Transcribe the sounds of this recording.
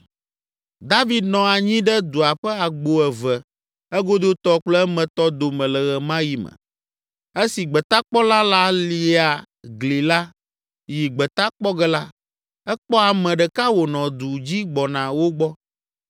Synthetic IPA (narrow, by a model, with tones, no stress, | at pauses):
d̪a˦vi˦d̪nɔ̃˨a˨ɲĩ˦ɖɛ˦d̪u˨a˨ɸɛ˦a˨ɡ͡bo˨ɛ˨vɛ˨ | ɛ˦ɡo˦d̪o˦t̪ɔ˦k͡plɛ˦mɛ̃˨t̪ɔ˦d̪o˨mɛ̃˨lɛ˨ɣɛ˨mã˦ji˨mɛ̰˨ | e˦si˨ɡ͡bɛ˨t̪a˦k͡pɔ˦la˦la˦li˨a˨ | ɡli˨la˦ | ji˨ɡ͡bɛ˨t̪a˦k͡pɔ˦ɡɛ˦la˦ | ɛ˦k͡pɔ˦a˨mɛ̃˨ɖɛ˨ka˦wo˨nɔ̃˨d̪u˨d͡ʑi˦ɡ͡bɔ˨nã˨wo˦ɡ͡bɔ˦